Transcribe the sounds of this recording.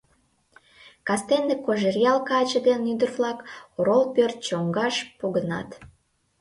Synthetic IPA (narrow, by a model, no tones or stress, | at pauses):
kɑst̪end̪ekoʒerjɑlkɑt͡ɕəd̪enyd̪ərvlɑkoɾolpørt̪̚t͡ɕoŋɡɑʃpoɣənɑ̰t̪